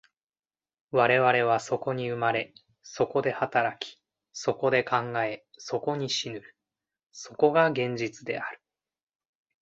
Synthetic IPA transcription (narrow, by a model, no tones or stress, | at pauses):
βaɾe̞βaɾe̞β̞aso̞ko̞ɲ̟iɯ̟maɾe̞ | so̞ko̞d̪e̞hat̪aɾakʲi̥ | so̞ko̞d̪e̞kãŋɡae̞so̞ko̞ɲ̟iɕinɯ | so̞ko̞ɡaɡẽ̞ɲ̟d͡ʑit͡sɨd̪e̞̰aɾɯ̟̥